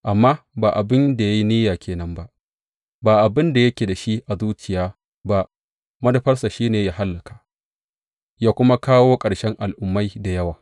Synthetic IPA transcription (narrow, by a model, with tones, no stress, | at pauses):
ʔa˨mːaː˦baː˨ʔa˨bɪ˦nda˨ja˦ji˦niː˦jaː˨kʲeː˨nɐ˦mba˦ʔ | baː˨ʔa˨bɪ˦nda˨jɐ˦kʲeː˨da˨ʃi˦ʔa˨zuː˦t͡ʃɪ˨jaː˦ | ba˦ʔ | mɐ˦dɐ˨ɸɐ˦rsa˨ʃiː˦neː˨jaː˦ɦa˦lːɐ˨kḁ˨ | jaː˦kʷʊ˦ma˦kaː˦woː˦kʼɐ˨ɽʃɛ˦ŋʔa˨lʔʊ˨mːa˦jda˨jɐ˦waː˨